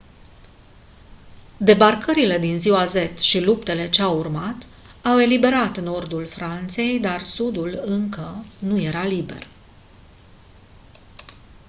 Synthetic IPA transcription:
d̪e̞barkəɾile̞d̪inziwaze̞t̪ʃilupt̪e̞le̞t͡ʃeawurmat̪ | awe̞libe̞ɾat̪no̞rd̪ulfɾant̪se̞jd̪arsud̪ulɨŋkənuje̞ɾalibe̞̰r

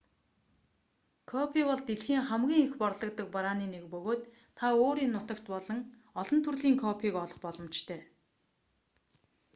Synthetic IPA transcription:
kʰɔpʰikɔɮt̪eɮxiːŋχæmɡʲiːŋexpɔrɮɞ̆k̚t̪ə̆k̚paɾaːniːnekpɵɣoːt̪ːʰ | aoːɾiːnːʊt̪ə̆kt̪pɔɮɞ̆ŋ | ɔɮɞ̆nt̪ʰurɮiːŋkʰɔpʰiːkɔɮɞ̆χpɔɮɞ̆mt͡ɕt̪ʰœː

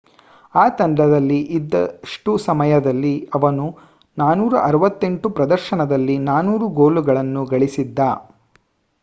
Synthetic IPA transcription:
aːt̪ɐɳɖɐd̪ɐlːiʔid̪ːɐ̰ʂʈusɐmɐjɐd̪ɐlːiɐʋɐnu | naːnuːɾɐ̰ʔɐɾɐʋɐt̪ːe̞ɳʈupɾɐd̪ɐɾʃɐnɐd̪ɐlːinaːnuːɾuɡo̞ːluɡɐɭɐnːuɡɐɭisid̪ːaː

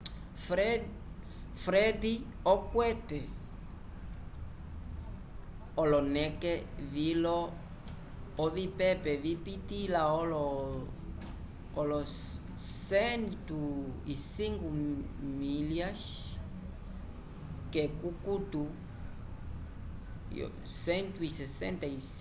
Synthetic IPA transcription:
fɾɛd̪iɔkwɛtɛ | ɔlɔnɛkɛvilɔ | vipɛpɛvipitilaɔlɔ | kolo | sent̪uisiŋɡumiljas | kekukut̪u | sent̪uisesḛnt̪ais

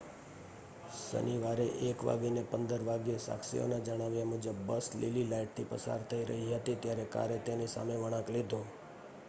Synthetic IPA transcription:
sə̰niʋaɾeʔekʋa̰ɡinepənd̪əɾʋaɡjesa̰kʃḭo̰nad͡ʒəɽ̃aʋjamud͡ʒəbːəslḭlilaiʈ̚t̪ʰipəsa̰ɾt̪ʰəiɾə̰ɦiɦət̪it̪jaɾeka̰ɾet̪enisa̰meʋəɽ̃ãklid̪ʱo

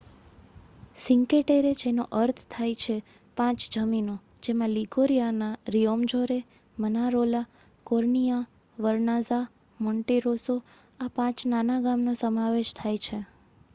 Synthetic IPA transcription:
sɪŋkeʈeɾed͡ʒenoʔəɾt̪ʰt̪ʰajt͡ʃʰe | pãt͡ʃd͡ʒəmino | d͡ʒemãliɡoɾijanaɾijomd͡ʒoɾe | mənaɾola | koɾɳija | ʋəɾnaza | mɔɳʈeɾoso | apãt͡ʃnanaɡamnosəmaʋeʃt̪ʰajt͡ʃʰe

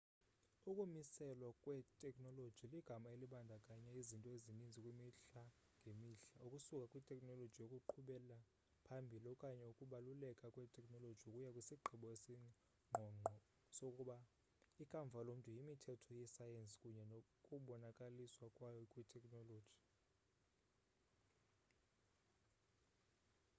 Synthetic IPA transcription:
ukʼumisɛlwakʼwɛtʼɛkʼnɔlo̥ʒ̥ʱiliɡ̥ʱamaeliɓandʱakʼaɲɛizintʼɔezinind͡zʱikʼwimiɬa | ŋɡʱemiɬaʔukʼusukʼakʼwitʼɛkʼnɔlodd͡ʒʒ̥ʱijokʼuǃʰuɓɛla | pʰambʱilɔkʼaɲɛukʼuɓalulɛkʼakʼwɛtʼɛkʼnɔlod̥ʒ̥ʱiukʼujakʼwisiɡ͡ǃʱiɓɔesii | ŋ͡ǃʱɔŋ͡ǃʱɔ | sokʼuɓa | ikʼaɱvʱalomuntʼujimitʰɛtʰɔjɛsajensi̥kʼuɲɛnokʼuɓɔnakʼaliswakʼwajɔkʼwitʰɛkʼnɔlo̥ːʒ̥ʱi̥

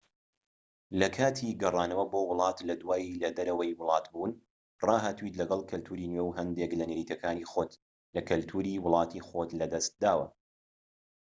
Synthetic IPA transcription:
lɐkʰaːt̪ʰiɡɐrˤɑːnɐwɐbowʊlˠɑːt̪lɐd̪waːjilɐd̪ɐɾɐwɐjwʊlˠɑːt̪buːn | rɑːɦaːt̪uwit̪lɐɡɐlˠkʰɐlt̪ʰuːɾiːnweːwɦɐnd̪eklɐneɾiːt̪ɐkʰaːniːxot̪ | lɐkɨlt̪ʰuːɾiːwʊlˠɑːt̪ixot̪lɐd̪ɐst̪̚d̪aːwɐ̰

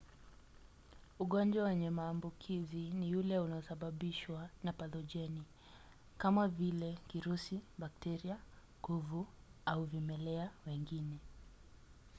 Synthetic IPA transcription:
uɠɔnd͡ʒwawɛɲɛmaːmbukʰizinijulɛunaɔsaɓaɓiʃwanapadɔʄɛni | kamavilɛkiɾusiɓak̚tɛɾiaŋɡuvuauvimɛlɛawɛŋɡinɛ

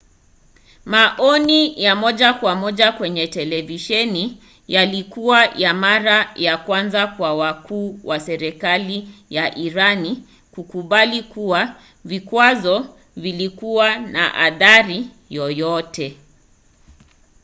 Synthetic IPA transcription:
maʔɔnijamɔʄakwamɔʄakwɛɲɛtɛlɛviʃɛni | jalikuwajamaɾajakwanzakwawakʰuːwʔasɛɾɛkalijaʔiɾani | kukuɓalikuwa | vikwazɔ | vilikuwana̰ʔa̰ðaɾi | jɔjɔtɛ

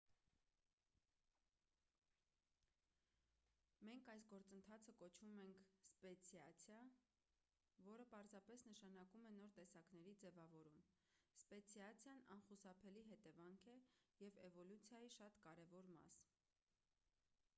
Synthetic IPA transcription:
mɛŋkʰɑjsɡɔɾt͡sənt̪ʰɑt͡sʰəkɔt͡ʃʰvumɛŋkʰspɛt͡sʰjɑt͡sʰjɑ | vɔɾəpɑɾzɑpɛsnəʃɑnɑkumɛnɔɾt̪ɛsɑknɛɾid͡zɛvɑvɔɾum | spɛt͡sʰjɑt͡sʰjɑnɑ̰nχusɑpʰɛliɦɛt̪ɛvɑŋkʰɛjɛvɛvɔlut͡sʰjɑjiʃɑt̪kɑɾɛvɔɾmɑ̰s

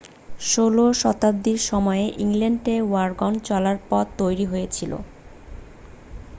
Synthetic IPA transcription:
ʃoloʃɔt̪ab̚d̪iɾʃɔmɔeʔiŋleɳʈewaɾɡɔnt͡ɕɔlaɾpɔt̪t̪ːojɾiɦojet͡ɕʰilo̰

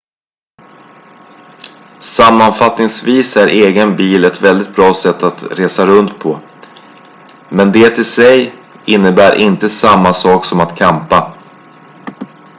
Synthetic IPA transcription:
samːanfat̪nɪŋsviːsæɾʔeːɡənbiːlɛt̪vɛld̪ɪt̪̚bɾɑːsɛt̪ːat̪ɾeːsaɾɵnt̪pʰɔ | mɛnd̪eːt̪ʰɪlsɛj | ɪnːəbæːɾʔɪnt̪əsamːasɑːksɔmat̪kʰampa

